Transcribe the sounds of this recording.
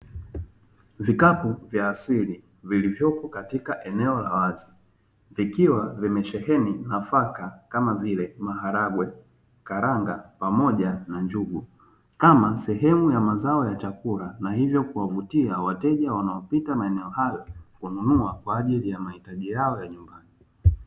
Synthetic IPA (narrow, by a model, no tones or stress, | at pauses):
vikapuvjaːsili | vilivjɔkɔkatikaʔɛnɛɔla̰wazi | vikiwavimɛʃɛhɛninafakakamavilɛmaɦaɾaɡwɛ | kaɾaŋɡapamɔʄanaɲd͡ʒuɡu | kamasɛɦɛmujamazaɔjat͡ʃakulanahivjɔkuwavutiawatɛʄawanaɔpitamaɛnɛɔhajɔkununuakwaːʄilijamahitaʄijaɔjaɲumbani